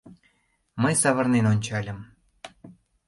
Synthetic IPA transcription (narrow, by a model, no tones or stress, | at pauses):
məjsɑβɤ̆rnenonʲt͡ɕɑlʲə̆m